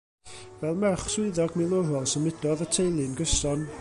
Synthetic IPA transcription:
vɛlˠmɛχswɪɨðɔɡmɪlˠʊɾɔlˠsəmɪdɔðətʰejlˠɨnɡəsɔn

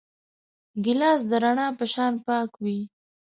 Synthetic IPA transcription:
ɡɪlɑs̬d̪əɾaɳɑpəʃɑnpɑkwi

